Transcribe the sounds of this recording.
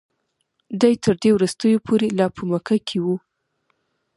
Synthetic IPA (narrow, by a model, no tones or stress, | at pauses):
d̪ajt̪əɾd̪ewɾust̪əjopʰoɾelɑpʰəməkakʰewu